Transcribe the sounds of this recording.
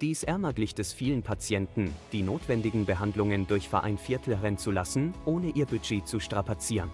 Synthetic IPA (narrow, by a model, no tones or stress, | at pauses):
d̥iːsʔɛɐmɐɡlɪçtd̥ɛsfiːlənpʰat͡sjɛntn̩d̥iːnoːtv̥ɛndɪɡŋ̩bəɦandlʊŋəndʊɐçfɛɐʔa̰ɪnfɪɐtʰl̩ʁɛnt͡sulasn̩ʔoːnəʔiːɐbyd͡ʒeːt͡suʃtʁ̥apat͡siːʁən